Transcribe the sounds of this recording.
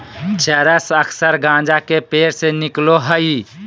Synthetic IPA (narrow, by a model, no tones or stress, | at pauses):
t͡ʃəɾəsəkʰsəɾɡãːd͡ʒakepeːɾsenɪkloɦəi